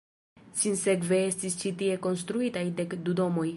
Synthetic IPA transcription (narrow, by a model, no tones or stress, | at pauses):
sinse̞kve̞e̞stist͡ʃitie̞ko̞ns̬t̪ɾuitajde̞kdudo̞mo̞j